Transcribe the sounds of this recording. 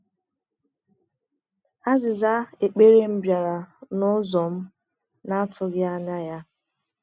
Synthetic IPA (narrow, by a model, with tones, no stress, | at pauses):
a˦zɪ˨za˦e˨k͡pe˦ɾe˦m̩˦bja˨ɾa˨nʊ˦zɔ˨m̩˦ | na˦tʰʊ˦ɡɪ˦a˦na˦ja˦